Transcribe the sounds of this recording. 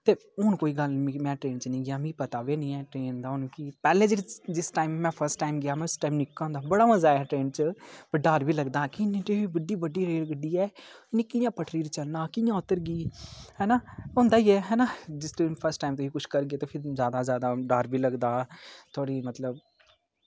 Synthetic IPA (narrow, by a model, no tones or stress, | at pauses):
t̪eːʊnkoːiːɡəlmimɛ̃ːʈɾeːnt͡ʃnĩːɡɪaːmĩːpət̪aːʋeːnĩːɛːʈɾeːnd̪aːʊnkipɛːlẽːd͡ʒəd͡ʒɪsʈaːɪmːɛ̃ːpʰəɾsʈaːɪmɡɪjaːmɛ̃ːɪsʈaːɪmnɪkːãːnd̪aːbəɽaːməzaːɛːʈɾeːnt͡ʃəpəɖaːɾbiːləɡd̪aːkɪɪnːẽːʈeiːbəɖiːbəɖːiːɾeːlɡəɖːiːɛːɪnːĩːkɪjãːpəʈʰɾiːɾt͡ʃəlnaːkɪjãːʊt̪əɾɡiːhɛːnaːõːnd̪aːiːɛːɦɛːnaːd͡ʒɪst̪pʰəɾsʈːaːɪmt̪ʊiːkʊt͡ʃʰkəɾɡeːt̪oːpʰɪɾzjaːd̪aːzjaːd̪aːɖaːɾbʱiːləɡd̪aːt̪ʰoːɽiːmət̪ləb